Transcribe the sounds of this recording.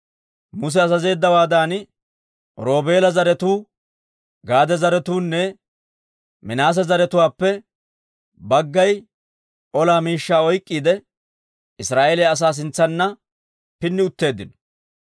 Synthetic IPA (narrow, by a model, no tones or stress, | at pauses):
mʊs̬ɛɐzɐze̞ːd̪ːɐwaːd̪aːn | ɾo̞ːbe̞ːlɐzɐɾɛt̪uː | ɡaːd̪ɛzɐɾɛt̪uːnːɛ | mɪnaːs̬ɐzɐɾɛt̪ʊwaːpːɛ | bɐɡːɐj | ʔɔlaːmiːʃːaːɔjkʼːiːd̪ɛ | ɪsɾaːʔelɛɐs̬aːs̬ɪnt͡sːɐnːɐ | pɪnːɪʊt̪ːe̞ːd̪ːɪnɔ̥